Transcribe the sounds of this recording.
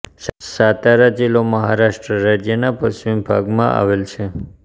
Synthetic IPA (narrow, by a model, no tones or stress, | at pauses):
ssat̪aɾad͡ʒiloməɦaɾaʃʈɾəɾad͡ʒjənapəʃʋimbʱa̰ɡmãʔa̰ʋelt͡ʃʰe